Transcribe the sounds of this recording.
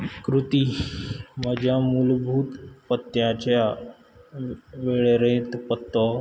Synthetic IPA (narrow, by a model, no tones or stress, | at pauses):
kɾut̪i | məd͡ʑʱjamulbʱuːt̪pət̪ːjat͡ɕja | ʋeɭɾẽt̪pət̪ːɔ